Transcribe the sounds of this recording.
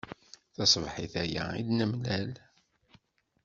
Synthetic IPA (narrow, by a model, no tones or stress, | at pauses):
θɑsˤvħiθæjæ̰ilnəmlæl